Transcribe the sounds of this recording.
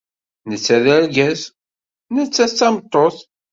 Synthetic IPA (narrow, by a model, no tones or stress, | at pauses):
nət͡sːæðæɾɡæz | nət͡sːæt͡sːæmət̪ˤːoθ